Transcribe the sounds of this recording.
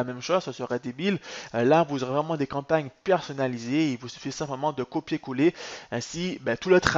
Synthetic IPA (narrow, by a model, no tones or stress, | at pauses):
amɛmʃozsəsəʁad̪ebillavuzɔʁevʁɛmɑ̃d̪ekɑ̃paɲpɛʁsɔnalizeilvusy̥fisɛ̃pləmɑ̃d̪əkopjekuleɛ̃sibɛt̪ulət̪χa